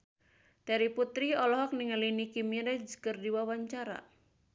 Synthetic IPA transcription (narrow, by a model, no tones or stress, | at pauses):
d̥aɾiput̪ɾiɔlɔɦɔk̚niŋalinikimiɾɛd͡ʒkərdiwawaɲt͡ʃaɾa̰